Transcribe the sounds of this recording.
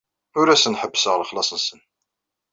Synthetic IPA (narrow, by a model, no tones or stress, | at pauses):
ʊɾæsənħəbːəsəʁləχlɑsˤənsən